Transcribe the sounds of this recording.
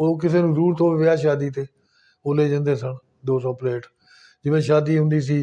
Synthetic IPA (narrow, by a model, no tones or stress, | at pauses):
oːk̬ɪseːnũːd̪uːɾt̪õːʋɪʋɪaːʃaːd̪iːt̪eː | oːleːd͡ʒãnd̪eːsəɳ | d̪oːsɔːpleːʈ | d͡ʒɪʋẽːʃaːd̪iːɦʊ̃nd̪iːs̬iː